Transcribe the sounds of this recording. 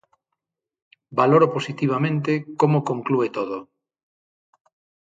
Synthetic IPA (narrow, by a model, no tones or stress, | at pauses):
baloɾoposit̪iβ̞amẽnt̪ekomokõŋkluet̪oðo